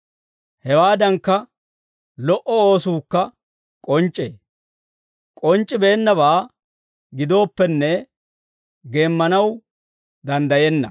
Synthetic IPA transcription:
hɛwaːd̪ɐŋkːɐ | lɔʔɔoːsuːkːɐ | kʼɔnt͡ʃʼːeː | kʼɔnt͡ʃʼːɪbeːnːɐbaː | ɡɪd̪o̞ːpːɛnːɛ | ɡe̞ːmːɐnɐw | d̪ɐnd̪ɐjɛnːɐ̰

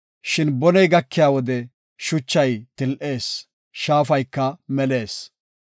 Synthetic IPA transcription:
ʃɪnbɔnɛjɡɐkːɪjaːwɔd̪ɛ | ʃʊt͡ʃːɐjt̪ɪlʔe̞ːs | ʃaːfɐjkːɐmɛle̞ːs

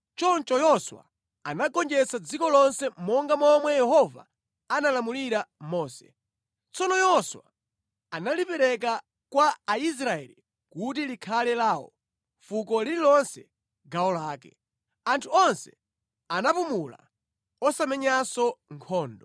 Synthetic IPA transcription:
t͡ʃɔnt͡ʃɔjɔswa̰ | anaɡɔnd͡ʒɛsad͡zikɔlɔnsɛmɔŋɡamɔmwɛjɛhɔva̰ | analamuliɾamɔːsɛ̥̰ | t͡sɔnɔjɔswa | analipɛɾɛk̬a | kwaːis̬ɾaɛ̰li | kut̬ilikʰalɛlaːwɔ̰ | fukɔliɾilɔnsɛ | ɡawɔlaːkɛ | antʰuɔnsɛ | anapumula̰ | ɔsamɛɲasɔŋkʰɔːndɔ

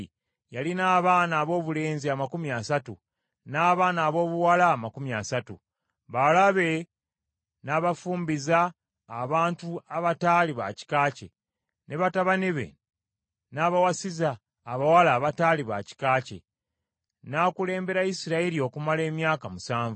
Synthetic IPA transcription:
jalinaːβaːnaːβo̞ːβule̞ːnziamakumiasatu | naːβaːnaːβo̞ːβuwalaːmakumjasatṵ | βalaβe̞ | naːβafuːmbizaː | βaːntuaβataːliβa̰ci̥kaːce̞̰ | nʔe̞βataβaniβe̞̰ | naːβawasizaː | βawalaːβataːliβa̰ci̥kaːcḛ | naːkule̞ːmbe̞ɾaisiɾaiɾio̞kumale̞ːmjaːkamusaːɱvu

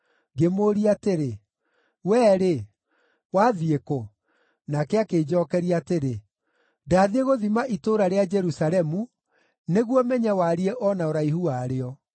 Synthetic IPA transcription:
ɡemoɾiateɾe | wɛːɾe | waːðieko | nakɛakeːd͡ʒɔkɛɾiateɾe | daːðeɣoðimaʔitoɾaɾead͡ʒɛɾusalɛmu | neɣwɔmɛɲɛwaɾiɛʔɔnaoɾaihuaɾeɔ

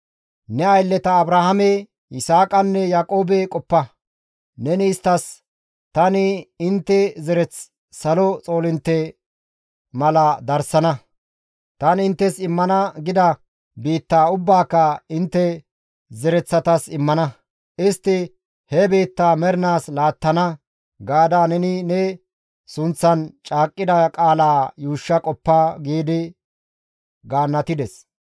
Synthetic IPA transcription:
nɛɐjlːɛt̪ɐːbɾaːhɐmɛ | ʔɪsaːkʼɐnːɛjaːkʼo̞ːbɛkʼɔpːɐ | nɛnɪːst̪ːɐs | t̪ɐnɪɪnt̪ːɛzɛɾɛt͡s | sɐlɔt͡sʼo̞ːlɪnt̪ːɛ | mɐlɐd̪ɐɾsɐnɐ | t̪ɐnɪnt̪ːɛsɪmːɐnɐɡɪd̪ɐ | biːt̪ːaːʊbːaːkːɐɪnt̪ːɛ | zɛɾɛt͡sːɐt̪ɐsɪmːɐnɐ | ʔɪst̪ːɪ | hɛbiːt̪ːaːmɛɾɪnaːslaːt̪ːɐnɐ | ɡaːd̪aːnɛnɪnɛ | sʊnt͡sːɐnt͡ʃʼaːkʼːɪd̪ɐkʼaːlaːjuːʃːɐkʼɔpːaɡiːd̪ɪ | ɡaːnːɐt̪ɪd̪ɛs

